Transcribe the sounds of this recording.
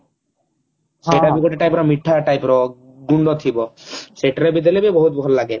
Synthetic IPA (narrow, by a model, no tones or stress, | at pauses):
seʈabikoʈiʈajpɾɔmiʈʰːaʈajpɾɔ | ɡuɳɖɔt̪ʰibɔseʈaɾebid̪̬alebibɔɦut̪̚bʱɔlɔlaɡe